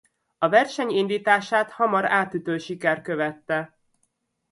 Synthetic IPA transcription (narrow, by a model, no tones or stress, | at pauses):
ɒvɛrʃɛɲind̪iːt̪aːʃaːt̪hɒmɒɾaːt̪yt̪øːʃikɛr̚køvɛt̪ːɛ